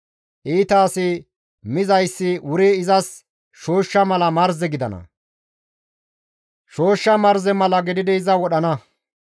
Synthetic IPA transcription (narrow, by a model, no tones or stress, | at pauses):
ʔiːt̪aːsɪ | mɪzɐjsːɪwʊɾeɪzɐs | ʃo̞ːʃːɐmɐlɐmɐɾzɛɡɪd̪ɐ̰nɐ̰ | ʃo̞ːʃːɐmɐɾzɛmɐlɐɡɪd̪ɪd̪ɛɪzɐwɔɗɐnɐ